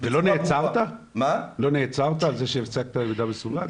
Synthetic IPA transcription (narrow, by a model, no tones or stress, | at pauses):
velo̞neːt͡saʁt̪amalo̞neːt͡saʁt̪aːlzeʃeeft͡sak̚t̪aevid̪abesulan